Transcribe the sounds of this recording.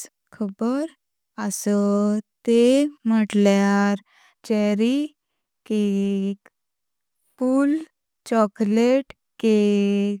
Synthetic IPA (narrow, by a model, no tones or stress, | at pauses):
kʰəbəɾ | əsət̪em̤əʈljaɾ | t͡ɕɛɾi | kek | pul | t͡ɕɔkleʈ | ke